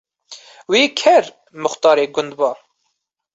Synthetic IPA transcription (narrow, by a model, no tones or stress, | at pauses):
wiːkʰɛɾ | mʊxt̪ɑːɾeːɡʊnd̪̚bɑː